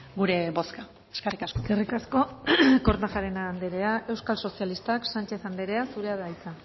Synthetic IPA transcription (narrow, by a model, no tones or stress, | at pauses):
ɡuɾe̞βo̞ska | eskarikasoskerikasko̞ko̞ɾnaxaɾenaːnd̪eɾe̞ae̞wskalso̞sialist̪aksant͡ʃe̞θand̪eɾe̞asuɾe̞aðajt͡sa